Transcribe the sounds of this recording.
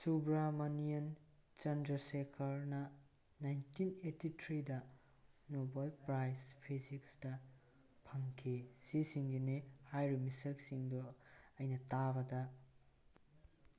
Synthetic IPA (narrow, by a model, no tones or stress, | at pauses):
subɾamɐnijɐnt͡ʃɐndɾɐsekʰɐɾnɐ | najntinetitʰɾidɐ | nobalpɾajspʰisiksdɐ | pʰɐŋkʰisisiŋɡinehajɾumisɐk̚siŋduɐjnɐtabɐdɐ